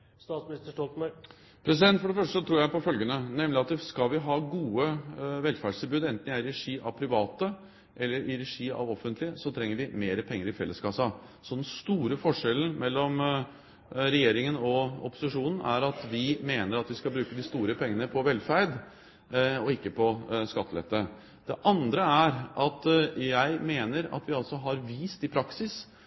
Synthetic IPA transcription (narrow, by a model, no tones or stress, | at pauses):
st̪ɑːsmɪnɪst̪əʂʈɔlt̪mæɾ | pʰɾɛs̬ɪd̪ɛnt̪fɔɖɛfœʂʈəsɔt̪ʰɾuːɾjæɪpɔfœlɡənənɛmlɪɑt̪əskɑlʋɪɦɑːɡuːəʋɛlfæɖʂst̪ɪlbʉːd̪ɛnt̪n̩ɪæɪɾɾɛʂiːʔɑ̰ʋpʰɾɪʋɑːt̪ə | ʔɛlːəɾʔɪɾɛʂiːɑ̰ʋɔfːənt̪lɪəsɔt̪ʰɾɛŋːəʋɪmeːɾəpʰɛŋːəɾɪfɛlːəskʰɑsɑsɔd̪ɛnst̪uːɾəfɔʂɛln̩mɛlːɔm | ɾɛjeːɾɪŋənɔɔ̰pʊ̥sɪʂuːnn̩æɾɑt̪ʋɪmeːnəɾɑt̪ʋɪskɑlbɾʉːkəd̪ɪst̪uːɾəpʰɛŋːənəpʰɔʋɛlːfæɾd̪ | ɔɪkːəpʰɔskɑt̪ːlɛ̰t̪ːə | d̪̥ɛʔɑnd̪ɾəæɾʔɑt̪jæɪmeːnəɾɑ̰t̪ʋɪɑlt̪sɔɦɑɾʋiːst̪ɪpʰɾɑksɪs